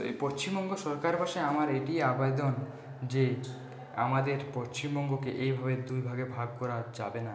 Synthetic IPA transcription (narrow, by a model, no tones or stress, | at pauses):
ḛjpoʃt͡ɕimbɔŋɡoʃɔɾkaɾpaʃeamaɾeʈiabed̪on | d͡ʑe | a̰mad̪eɾpoʃt͡ɕimbɔŋɡokeʔejbʱabed̪ujbʱaɡebʱaɡ̚kɔɾad͡ʑa̰bena